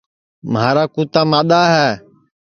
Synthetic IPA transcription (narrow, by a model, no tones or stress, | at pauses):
maːɾaːkuːt̪aːmaːɗ̪aːɦɛː